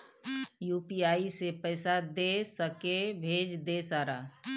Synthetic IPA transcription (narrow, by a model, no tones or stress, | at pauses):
juːpiaːisepɛːɪsad̪eːsəkebʱeːd͡ʒd̪eːsaːɾaː